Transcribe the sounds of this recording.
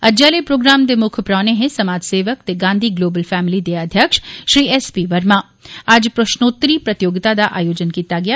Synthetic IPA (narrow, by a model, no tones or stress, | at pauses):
ɐd͡ʒaːlepɾoːɡɾaːmd̪emʊkʰpɾaːneɦẽsɐmaːd͡ʒseːʋəkt̪eɡãːnd̪ʱiɡloːbəlfɛːmɪlid̪eɐd̪ʱjəkʃʃɾiːɛspiːʋɐɾmãː | ad͡ʒpɾɐʃnoːt̪ɾipɾɐt̪ɪjoːɡɪt̪ad̪aʔaːjoːd͡ʒənkiːt̪aɡɪjaː